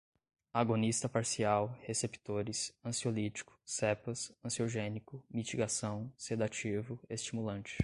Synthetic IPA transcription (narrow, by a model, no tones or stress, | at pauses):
aɡonist̪ɐpaɾsiawhesepi̥t̪oɾɪsɐ̃siolit͡ʃi̥kʊ̥sɛpɐsɐ̃sioʒẽnikʊmit͡ʃiɡasɐ̃w̃sed̪at͡ʃivʊest͡ʃimulɐ̃nt͡ʃɪ̥